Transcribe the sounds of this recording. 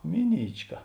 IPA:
ˈmʲɪˌnʲiːt͡ʃˌkɐ

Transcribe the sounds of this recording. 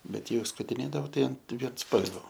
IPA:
ˈbʲɛt ˈjɛʊ skʊtʲɪˈnʲeːdɐʋoː ˈtɐɪ ɐn ʋʲiɛnsˈpɐlʲʋʲoː

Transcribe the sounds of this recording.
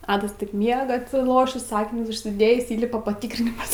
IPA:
ˈɑːdɐs tɐɪp ˈmʲiɛɡɐ ɐtʲsʲɪˈlˠoːʃʲiːs ˈɑːkʲɪnʲʊs ʊʃʲsʲɪˈdʲeːjiːs ˈiːlʲɪpɐ pɐˈtʲiːkrʲɪnʲɪmɐs

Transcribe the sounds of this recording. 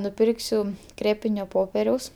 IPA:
nʊˈpʲɪrksʲʊ ˈkrʲeːpʲɪnʲoː ˈpoːpʲɛrʲɛʊs

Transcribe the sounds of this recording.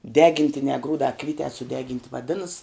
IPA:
ˈdʲæːɡʲɪnʲtʲɪnʲɛː ˈɡruːdɑː ˈkʋʲiːtʲɛː sʊˈdʲæːɡʲɪnʲtʲɪ ʋɐˈdʲɪnɐs

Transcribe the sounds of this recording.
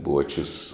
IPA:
ˈbuɔt͡ʃʲʊs

